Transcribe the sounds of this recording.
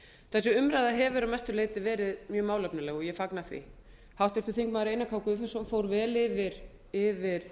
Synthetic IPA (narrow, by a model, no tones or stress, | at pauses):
θɛsʏʏmɾajðaɦɛvʏɾawmɛjst̪ʏleːjt̪ɪvɛːɾɪðmjœːmaːwlœpnalɛːɣɔɣjɛfaknaθvḭ | hawht̪vɛɾt̪ʏ̥θiŋkmaðɾeːjnakʰaːwkʏfɛnsɔmfoːwɾvɛːlɪvɪɾ̥ | ɪvɪɾ̥